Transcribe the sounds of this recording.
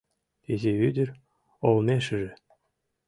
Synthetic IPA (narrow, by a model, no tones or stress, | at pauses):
t̪ʲezʲeyd̪ʲɘ̆rʲ | olˠmʲeʃɘ̆ʒɘ̆